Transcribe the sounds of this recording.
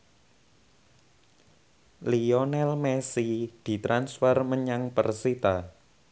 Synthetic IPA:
liɔnɛlmɛsid̪̥i̤t̪ɾansfərməɲaŋpərsit̪a

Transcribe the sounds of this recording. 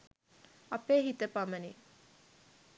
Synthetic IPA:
ɐpeːɦit̪əpaməni

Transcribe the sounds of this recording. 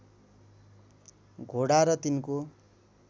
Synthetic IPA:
ɡʱoɽaɾʌt̪inko

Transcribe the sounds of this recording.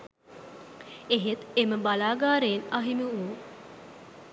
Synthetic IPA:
eɦet̪eməbalaːɡaːɾeːnɐɦimiu

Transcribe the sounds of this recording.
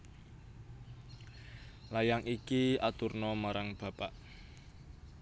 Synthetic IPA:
lajaŋʔikiat̪urnɔmaɾaŋb̥a̤paʔ

